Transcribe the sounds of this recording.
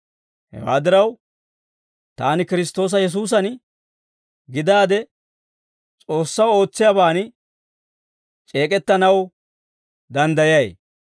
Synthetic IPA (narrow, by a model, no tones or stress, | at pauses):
hɛ̰wa̰ːd̪ɪɾɐw | t̪aːnɪkɪɾɪst̪o̞ːs̬ɐjɛs̬uːs̬ɐn | ɡɪd̪aːd̪ɛ | t͡sʼo̞ːsːɐwo̞ːt͡sːɪjaːbaːn | t͡ʃʼe̞ːkʼɛt̪ːɐnɐw | d̪ɐnd̪ɐjɐj